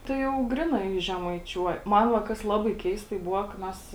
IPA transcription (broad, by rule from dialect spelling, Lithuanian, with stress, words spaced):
ˈtɐɪ jɛʊ ˈɡrʲɪnɐɪ ʒʲɛmɐɪˈt͡ʃʲuɔj ˈmɐn ʋɐ ˈkɐs ˈlˠɑːbɐɪ ˈkʲɛɪstɐɪ ˈbʊʋɐ kɐ ˈmʲɛs